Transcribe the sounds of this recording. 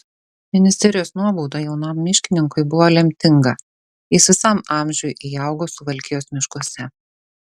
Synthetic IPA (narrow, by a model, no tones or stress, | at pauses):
mʲɪnʲɪsʲt̪ʲɛɾʲɪjoːsnuɔbɔʊd̪ɑjɛʊnɐˑmːʲɪʃʲkʲɪnʲɪŋkʊɪbʊʋolʲɛmʲt̪ʲɪŋɡɐ | ɪsʋʲɪsɐmɑˑmʲʒʲʊjʔijɑˑʊɡoːsʊʋɐlʲkʲɪjoːsmʲɪʃkuɔsʲɛ